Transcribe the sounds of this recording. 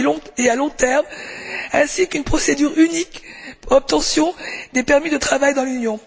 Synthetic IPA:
ɔ̃ealɔ̃t̪ɛʁmɛ̃sikynpχɔsed̪yʁynikɔp̚t̪ɑ̃sjɔ̃d̪epɛʁmid̪ət̪χavajd̪ɑ̃lynjɔ̃

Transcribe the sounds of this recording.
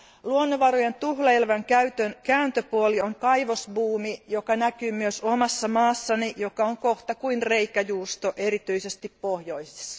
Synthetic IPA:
luonːoʋɑɾojent̪uhlɑelʋæŋkæyt̪ønkæːnt̪øpuolioŋkɑiʋosbuːmijokɑnækyːmyøsomɑsːɑmɑːsːɑnijokɑoŋkoht̪ɑkuinreikæjuːst̪oʔe̞ɾit̪yisest̪ippohjo̞ise̥sːɑ̥

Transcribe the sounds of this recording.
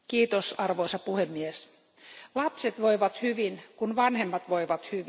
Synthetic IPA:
kiːt̪osɑrʋoisɑpuhemːies | lɑpset̪ʋoiʋɑt̪hyʋinkunʋɑnhemːɑt̪ʋoiʋɑt̪hyʋi

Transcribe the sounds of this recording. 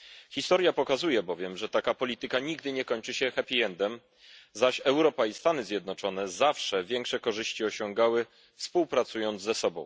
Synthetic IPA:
xʲist̪ɔɾjapɔkazujɛbɔvʲjɛmʐɛt̪akapɔlʲit̪ɘkaɲiɡd̪ɘɲɛkɔɲt͡ʂɘɕɛxɛpʲijɛnd̪ɛm | zaɕɛwɾɔpaist̪anɘzʲjɛd̪nɔt͡ʂɔn̪ɛzafʂɛvʲjɛŋkʂɛkɔʐɘɕt͡ɕiɔɕɔŋɡawɘ | fspuwpɾat̪sujɔnd̪zzɛsɔbɔ̃w̃

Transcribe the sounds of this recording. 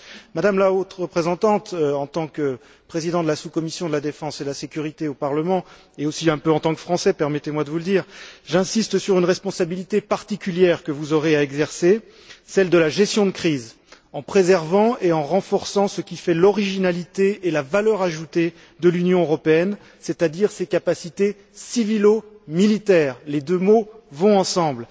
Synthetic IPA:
mad̪amlaot̪ʁəpχezɑ̃t̪ɑ̃t̪ɑ̃t̪ɑ̃kə | pχezid̪ɑ̃d̪əlasukɔmisjɔ̃d̪əlad̪efɑ̃sed̪əlasekʲyʁit̪eopaʁləmɑ̃ | eosiɛ̃pøɑ̃t̪ɑ̃kfχɑ̃sɛpɛʁmɛt̪emwad̪əvuləd̪iːʁʒɛ̃sist̪syʁynʁɛspɔ̃sabilit̪epaʁt̪ikʲyljɛʁkəvuzɔʁeaɛɡzɛʁse | sɛld̪əlaʒɛst̪jɔ̃d̪əkχiz | ɑ̃pχezɛʁvɑ̃eɑ̃ʁɑ̃fɔʁsɑ̃səkʲifɛlɔʁiʒinalit̪eːlavalœʁaʒut̪e | d̪əlynjɔ̃øʁɔpeɛn | set̪ad̪iʁsekapasit̪e | sivilo | milit̪ɛːʁled̪ømovɔ̃ɑ̃sɑ̃bl

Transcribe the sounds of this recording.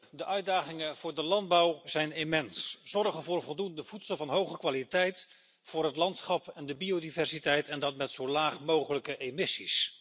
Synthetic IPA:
dəʔœɥdaːχɪŋənv̥ʊːɹdəlɑndbɑwzɛjnemɛnsz̥ɔrχənvʊːɹvɔlˠdundəvutsəlˠvɑnɦowχəkʋaːlitɛjt | fʊːrɦətlɑntsχɑpɛndəbiodivɛrsitɛjtʰɛndɑtmɛtsowlaːχmowχələkəʔemɪsis

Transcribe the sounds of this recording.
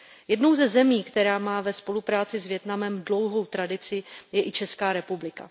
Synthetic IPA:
jɛdno̞wzɛzɛmiːkt̪ɛɾaːmaːvɛspo̞lupɾaːt͡sɪzvjɛt̪namɛmdlo̞wɦo̞wt̪ɾadɪt͡sɪjɛʔɪt͡ʃɛskaːɾɛpublɪka̰

